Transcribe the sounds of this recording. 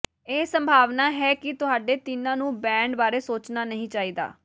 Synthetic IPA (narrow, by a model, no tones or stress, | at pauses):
eːsəmbʱaːʋnaːɦɛːkɪt̪ʊɦaːɖeːt̪ɪnãːnũːbɛ̃ːɳɖbaːɾeːsoːt͡ʃnaːnəɦĩːt͡ʃaːiːd̪a̰ː